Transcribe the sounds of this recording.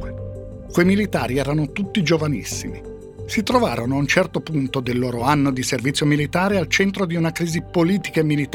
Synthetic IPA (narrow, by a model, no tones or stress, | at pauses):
kwejmilit̪a̰ːɾiɛːɾanot̪ut̪ːid͡ʒovanḭsːḭmi | sit̪ɾovaːɾonoaunt͡ʃɛrt̪opunt̪od̪elːoːɾoanːod̪iservit̪sjomilit̪aːɾealt͡ʃɛnt̪ɾod̪iunakɾiːzipoliːt̪i̥kaemːilit̪